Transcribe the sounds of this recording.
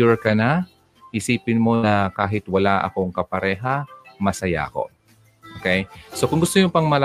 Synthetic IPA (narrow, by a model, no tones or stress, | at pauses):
ʊɹkɐna | hɪsiːpɪnmo̞nɐkaːɦɪt̪wɐlaʔɐ̰ko̞ŋkɐpɐɾɛːɦɐmɐsɐja̰ko̞̰ | ʔokɛjsokʊŋɡʊst̪oɲʊpɐŋmɐla